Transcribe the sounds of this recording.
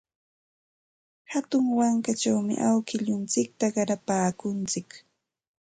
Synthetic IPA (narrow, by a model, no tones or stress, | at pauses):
hat̪ʊŋwaŋkat͡ʃawmɪ̰ʔawkɪʎʊnt͡sɪk̚t̪aɢɑɾapaːkʊnt͡sɪk